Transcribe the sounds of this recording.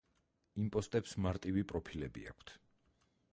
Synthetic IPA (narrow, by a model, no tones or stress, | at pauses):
impʼɔst̪ʼɛpsmaɾt̪ʼivipʼɾɔpʰilɛbḭa̰kʷʰt̪ʰ